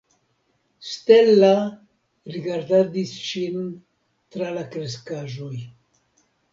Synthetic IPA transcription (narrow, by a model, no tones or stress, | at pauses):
st̪elːa | ɾiɡaɾd̪ad̪isʃin | t̪ɾalakɾeskaʒoj